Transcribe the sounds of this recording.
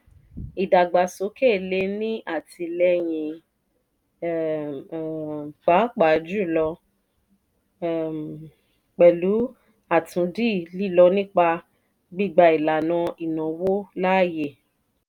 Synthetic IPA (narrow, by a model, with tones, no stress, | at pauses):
i˨da˨ɡ͡ba˨so˨˦ke˦˨le˧˦nĩ˦ʔa˦˨ti˧lɛ˧˦j̃ĩ˨ | k͡pa˨˦k͡pa˨d͡ʒu˦˨lɔ˧˨ | k͡pɛ˨lu˨˦ | a˦˨tũ˨˧˦di˦˨li˦˨lɔ˧nĩ˦k͡pa˧ | ɡ͡bi˦˨ɡ͡ba˧i˨la˨nã˧i˨nã˨wo˦la˦˨je˨